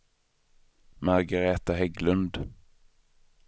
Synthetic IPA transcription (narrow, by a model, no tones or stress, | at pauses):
mæɾɡaɾeːt̪aɦɛɡlɵnd̪